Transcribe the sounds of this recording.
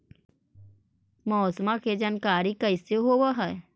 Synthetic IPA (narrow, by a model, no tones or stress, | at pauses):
mɔːsmãkʰed͡ʒankaːɾikəɪseɦoːʋəɦəe